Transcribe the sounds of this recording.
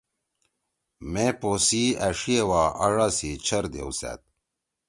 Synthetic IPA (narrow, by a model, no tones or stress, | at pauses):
meposiɐʂiewaːʔɐ̰ɻasit͡ɕʰɐɾd̪ḛwsa̰t̪̚